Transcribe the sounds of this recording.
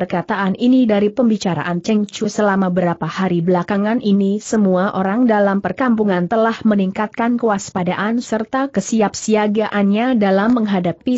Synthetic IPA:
ərkat̪aʔaninidaɾipəmbit͡ʃaɾa̰ʔant͡ʃɛŋt͡ʃusəlamabəɾapahaɾibəlakaŋanʔinisəmuaʔoɾaŋdalampərkampuŋant̪əlahməniŋkat̪̚kankuwaspadaʔansərt̪akəsiap̚siaɡaʔanɲadalamːəŋɦadapi

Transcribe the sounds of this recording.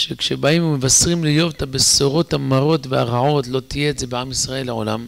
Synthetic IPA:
ʃekʃebaimmevasʁimlejo̞vt̪abesoʁo̞t̪hamaʁo̞t̪veaʁaʕo̞tlo̞t̪ijeːtze̞beamisʁae̞lːeo̰la̰m

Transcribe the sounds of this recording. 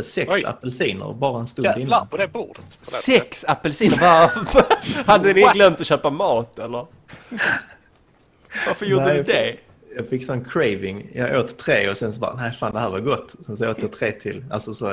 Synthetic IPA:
əsɛksa̰pːəlsiːnə̰ɾbɑːɾaɛnst̪ʊd̪ɪnːɔdɛbuːdət̪ssɛksapːəlsiːnəɾva | had̪ːəd̪ɪɡlɛmt̪ɔɕøːpamɑːt̪ɛlːəɾ | vaɾfəɾjuːd̪əd̪ɛ | jɑːɡfɪkːsɔnkʰɾɛɪvɪŋjɑ̰ːɡoːt̪t̪ʰːɾeːɔsɛnsɔbɑ̰ːnæɪfaːnd̪ɛhæːɾvaɡɔt̪ːɔsɛns̬ɔoːt̪ət̪ʰɾeːt̪ʰɪla̰lsɔsɔ

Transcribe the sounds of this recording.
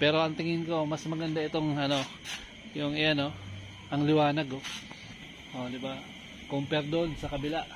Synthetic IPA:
pɛːɾo̞ʔɐŋt̪ɪŋɪnko̞mɐsmɐɡɐnd̪aʔɪt̪o̞ŋɐno̞ | jʊŋɪjɐno̞ | ʔɐŋlɪwaːnɐɡo | ʔod̪ɪba | kʊmpɛɾd̪onsɐkɐbɪlaʔ

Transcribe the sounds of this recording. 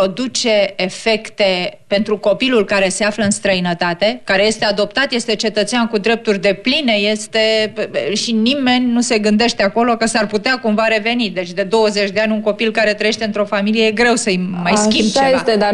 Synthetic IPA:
od̪ut͡ʃe̞ːfe̞kt̪e̞pe̞nt̪ɾuko̞pilulkaɾe̞se̞afləɨnst̪ɾəinət̪at̪e̞kaɾe̞je̞st̪e̞ad̪o̞p̚t̪at̪je̞st̪e̞t͡ʃe̞t̪ət̪seankud̪ɾe̞p̚t̪urʲd̪e̞pline̞je̞st̪e̞ʃinime̞nʲnuse̞ɡɨnd̪e̞ʃt̪e̞ako̞lo̞kəsarput̪eakumvaɾe̞ve̞nid̪e̞t͡ʃʲd̪e̞d̪o̞wəze̞t͡ʃʲd̪e̞anʲuŋko̞pilkaɾe̞t̪ɾəjeʃt̪e̞ɨnt̪ɾo̞familijejeɡɾe̞wsəjmajsʲit͡ʃeat̪ed̪a

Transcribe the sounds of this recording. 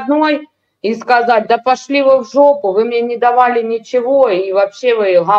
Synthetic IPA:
d̪noj | iskɐzat̚ʲd̪ɐpɐʂlʲivɨvʐopʊvɨmnʲenʲɪd̪ɐvalʲɪnʲɪt͡ɕɪvo̞ivɐpɕːe̞vɨɣɐ

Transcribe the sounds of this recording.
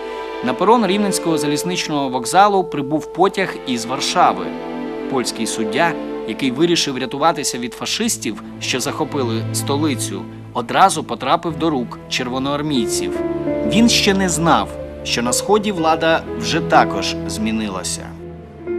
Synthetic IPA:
nɐpɔɾɔnɾʲiwnenʲsʲkɔɦɔzɐlʲiznɪt͡ʃnɔɦɔʋɔɡzɑlˠʊpɾɪbuwpɔtʲɐxizʋɐrʃɑʋɪ̰ | pɔlʲsʲkɪjsʊdʲːajɐkɪjʋɪɾʲiʃɪwɾʲɐt̪ʊʋɑt̪ɪsʲɐʋʲid̪fɐʃɪsʲtʲiw | ʃt͡ʃɔzɐxɔpɪlˠɪst̪ɔlˠɪt͡sʲʊ̰ | ɔd̪ɾɑzʊpɔt̪ɾɑpɪwd̪ɔɾukt͡ʃerʋɔnɔɐrmʲijt͡sʲḭwʋʲinʃt͡ʃɛnɛznɑw | ʃt͡ʃɔnɐsxɔdʲiʋlˠɑd̪ɐwʒɛt̪ɑkɔʒ̥zʲmʲinɪlˠɐ̰sʲɐ̰

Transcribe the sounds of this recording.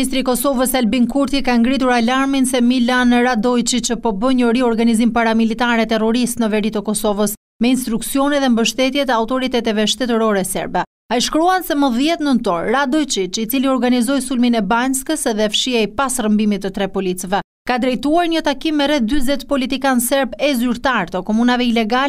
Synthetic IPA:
ist̪ɾikɔsɔvəsalbinkuɾt̪ikaŋɡɾit̪̬uɾalaɾminsɛmilanɾad̪ɔjt͡ʃit͡ʃəpɔbəɲəɾiɔɾɡanizimpaɾamilit̪aɾɛt̪ɛrɔɾist̪nəvɛɾit̪əkɔsɔvəs | mɛinst̪ɾuksiɔniðɛmbəʃt̪ɛt̪jɛt̪əawt̪ɔɾit̪ɛt̪ɛvɛʃt̪ɛt̪əɾɔɾɛsɛ̰ɾbɛ | ajʃkɾuansɛməðjɛt̪nənt̪ɔɾːad̪ɔjt͡ʃit͡ʃit͡siliɔɾɡanizɔjsulminɛbanskəsðɛfʃiaipasrəmbimit̪ːət̪ɾɛpɔlit͡svɛ | kad̪ɾɛjt̪uaɾɲət̪akimːɛɾɛθd̪yzɛt̪pɔlit̪ikansɛɾbɛzyɾt̪aɾt̪əkɔmunavɛilɛɡal

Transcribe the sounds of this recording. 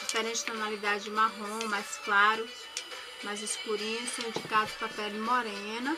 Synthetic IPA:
d͡ʒifɛɾẽnt͡ʃɪ̥zt̪onalid̪ad͡ʒɪd͡ʒɪmaɦõmajsklaɾʊs | mɐzɪskuɾĩɲʊssɐ̃w̃ĩd͡ʒikad̪ʊspɾɐpɛnmoɾẽnɐ

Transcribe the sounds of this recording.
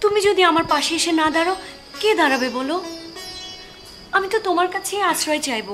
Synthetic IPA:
t̪umid͡ʑod̪iamaɾpaʃeeʃenad̪ʱaɾa | ked̪ʱaɾabebɔlo | amit̪ot̪omaɾkat͡ɕʰeasʰɾɔet͡ɕajbo

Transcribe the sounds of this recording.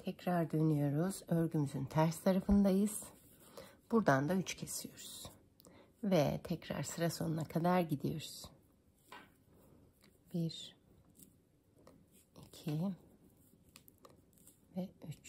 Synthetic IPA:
t̪ʰɛcɾaɾd̪ø̞nyjo̞ɾuz̥ø̞ɾɟymyzynt̪ʰæɾst̪ʰaɾafɯnd̪ajɯz̥ | b̥uɾd̪and̪ayt͡ʃcʰe̞sijo̞ɾuz̥ | vɛ̰t̪ʰɛcɾa̰ɾsɯɾaso̞nunakʰad̪aɾɟid̪ijo̞ɾuz̥ | b̥iɾ | icʰi | vɛyt͡ʃ

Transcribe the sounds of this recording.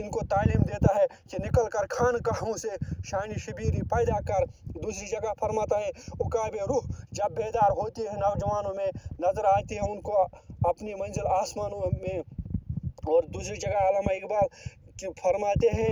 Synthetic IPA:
ɪnkot̪aːliːmd̪eːt̪aɦɛkinɪkəlkɐɾkʰaːnkaɦɐmũseʃaːniʃɐbiːɾipaːɪd̪akɐɾd̪uːsɾid͡ʒɐɡapʰɐɾmaːt̪aɦɛʊkaːbeɾuːɦd͡ʒɐbːeːd̪aːɾɦoːt̪iɦɛ̃nɐːd͡ʒəʋaːnõmẽnɐzəɾaːt̪iɦɛ̃ʊnkoɐpnimɐ̃nd͡ʒəlaːsmaːnõmẽ | ɔːɾd̪uːsɾid͡ʒɐɡaaːlaːmaeːkbaːɾkpʰɐɾmaːt̪eɦɛ̃ː

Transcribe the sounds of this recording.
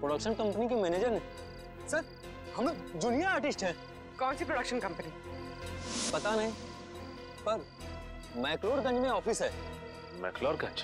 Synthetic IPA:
pɾoːɽəkʃənkɐ̃mpənikimɛːneːd͡ʒəɾnẽ | sɐɾ | hɐmd̪ʊnijaaːɾʈɪsʈɦɛ̃ː | kɔ̃ːnsipɾoːɽɐkʃənkɐ̃mpəni | pɐt̪anɐɦĩ | pɐɾ | mɛːkloːɾɡɐ̃nd͡ʒmẽɔːpʰɪsɦɛː | mɛ̰ːkloːɾɡɐ̃d͡ʒ

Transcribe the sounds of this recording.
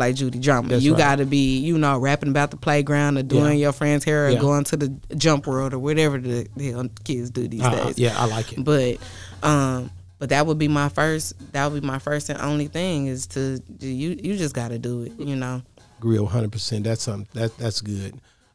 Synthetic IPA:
laɪk̚d̥ʒ̥ʉɾidɹɑ̃məjɨɡɑɾɨbijɨnoʊɹæpɪ̃ŋəbaʊt̪̚ðəpʰl̥eɪɡɹãʊ̃ndɨduɪ̃ŋjə˞fɹɛ̃ndz̥hɛɹəɡoʊɪ̃ŋtʰɨðɨd͡ʒʌ̃mpwɜ˞lˠɾə˞wʌɾɛvə˞ðɨhɛlˠkʰɪdzdɨ̰ðizdeɪz̥jæa̰ɪlaɪkɨb̥ʌt̚ʔʌ̃m | b̥ʌt̪̚ðɨt̚wəd̚bimaɪfɜ˞stðɨt̚wəbimaɪfɜ˞stɨ̃nʔõ̰ʊ̃nliθɪ̃ŋɪz̥tʰɨjɨjɨd͡ʒʌsɡ̥ɑɾɨdəɪt̚jɨnoʊ | ɡ̥ɹil̩ˠɦʌ̃ndəd̚pʰəsɛ̃nðætsʌ̃mðætðætsɡ̥ʊd̥

